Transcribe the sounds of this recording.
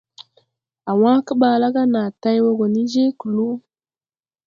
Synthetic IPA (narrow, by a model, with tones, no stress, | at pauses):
a˨wã˦kə˦ɓa˨la˦ɡa˦na˨ta˦jwo˦ɡo˨ni˦d͡ʒe˦ku˨lu˦